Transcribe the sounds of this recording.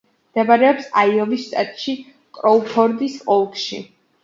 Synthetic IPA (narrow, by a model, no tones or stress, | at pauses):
d̪̥ɛbaɾɛɔpsaiɔvisʃt̪ʼa̰t̪ʼʃi | kʼɾɔupʰɔɾd̪isɔlˠkʼʃḭ